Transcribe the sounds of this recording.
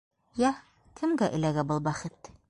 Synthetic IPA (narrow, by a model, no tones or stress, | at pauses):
jæ | kʰɘ̆mɡæʔɘ̆læɡæbɤlˠbæχɘt̪